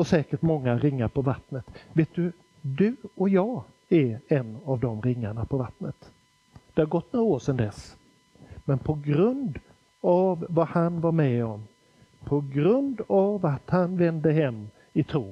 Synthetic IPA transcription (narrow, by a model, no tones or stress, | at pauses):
ɔsɛːkəʈmɔŋːaɾɪŋːaɾpʰɔvat̪nət̪veːt̪̚d̪ɵ | d̪ɵɔjɑː | æɾɛnːavd̪ɔmɾɪŋːaɳapʰɔvat̪nət̪ | d̪̥ɛhaɾɡɔt̪ːnoːɾaoːʂɛnd̪ɛs | mɛnpʰɔɡɾɵnd̪ | avvahanvaɾmɛɔm | pʰɔɡɾɵnd̪avat̪hanvɛnd̪əɦɛmː | ɪt̪ʰɾoː